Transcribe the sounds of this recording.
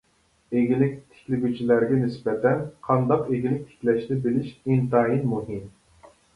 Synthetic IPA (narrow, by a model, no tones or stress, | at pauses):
eɡʲilɪk̚ʲt̪ʰe̥kʲlɪɡʲyt͡ʃʰilæɾɡʲɛnɪsbɛt̪ʰɛnqʰɑnd̪ɑqeɡʲilɪk̚ʲt̪ʰe̥kʲlɛʃnɪbɪlɪʃint̪ɑːjinmuɦɨm